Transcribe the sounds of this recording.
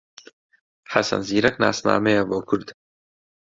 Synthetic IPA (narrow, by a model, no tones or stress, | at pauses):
ħasɐ̰nziːɾɐkna̰ːsna̰ːmɛjɛboːkʰʊɾd̪